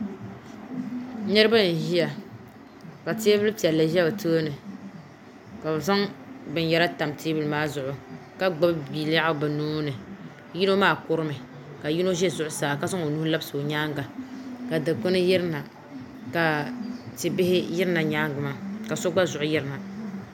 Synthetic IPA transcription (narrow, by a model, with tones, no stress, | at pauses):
nɛ˦ɾɨ˦ba˦˨ʒi˦ja˨ | ka˨teː˦bɨ˦lɨ˦pi˨ɛ˨lːɨ˨ʒɛ˦o˨tʰoː˦nɨ˨ | ka˨sa˦ŋbɨ˨njɛ˦ɾa˦ta˨mtʰeː˦bɨ˦lɨ˦maː˦zʊ˨ʔʊ˨ | ka˦ɡ͡ba˦bbi˨la˦ʊ˦ba˨noː˦nɨ˨ | ji˦no˦maː˦˨kʊ˦ɾɨ˦mɨ˨ | ka˨ji˦no˦ʒɛ˦zʊ˦ʔʊ˦saː˨ka˦sa˦ŋo˨nu˦la˦bsɨ˨o˨ɲaː˦ŋɡa˨ka˨dɨ˨ko˦nɨ˦jɪ˦ɾna˨ | ka˨tɪ˨bɪ˦hɪ˦jɪ˦ɾna˨ɲaː˦ŋɡɨ˨maː˦ka˨so˦ɡ͡ba˦zʊ˨ʔʊ˦jɪ˦ɾɨ˨na˨